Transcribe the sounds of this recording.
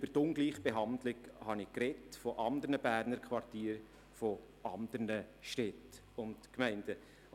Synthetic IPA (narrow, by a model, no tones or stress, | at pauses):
b̥əɾtʊŋɡliːχb̥eɦɑndlɪɡhɑnɪkɾɛtfoʔɑnd̪əɾnəb̥æːɾnəɾkʰʋɑrtiːɾ | fo | ʔɑnd̪əɾnəʃtɛt | ʊntkmɛɪndə